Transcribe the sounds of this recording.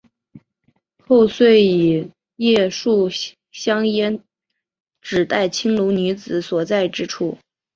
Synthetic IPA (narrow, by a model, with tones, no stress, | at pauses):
xo˥˧ʊswe˥˩ɪi˨˩ | jɛ˥˧ʂu˥˩ | ɕjɑ˥ŋjɛ˥n | ʈ͡ʂɻ̩˨˩t̪a˥˩ɪt͡ɕʰi˥ŋlu˧˥ny˧˥t͡sɹ̩˨˧˩swɔ˨˩t͡sa˥˩ɪʈ͡ʂɻ̩˥ʈ͡ʂʰu˥˩